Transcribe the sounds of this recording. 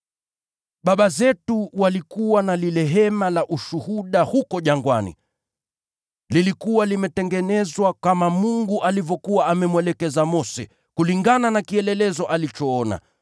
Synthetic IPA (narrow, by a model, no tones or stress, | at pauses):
ɓaɓazɛtuwalikuwanalilɛɦɛmalaʔuʃuhuɗahukɔʄaŋɡwanḭ | lilikuwalimɛtɛŋɡɛnɛzwakamamuŋɡuʔalivɔkuaamɛmwɛlɛkɛzamɔsɛ | kuliŋɡananakiɛlɛlɛzɔʔalit͡ʃɔːɔna̰